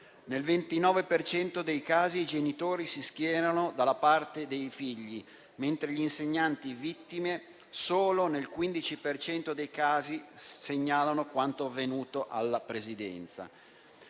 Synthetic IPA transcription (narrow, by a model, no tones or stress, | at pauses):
nelvent̪inɔːvepert͡ʃɛnt̪od̪ejkaːziːd͡ʒenit̪oːɾisisk̟jɛːɾanod̪alːapart̪ed̪ejfiʎːi | ment̪ɾeʎiinseɲːant̪ivit̪ːime | soːlonelkwind̪it͡ʃipert͡ʃɛnt̪od̪ejkaːziseɲːaːlanokwant̪oavːenuːt̪oʔalːapɾezid̪ɛ̰nt̪sa̰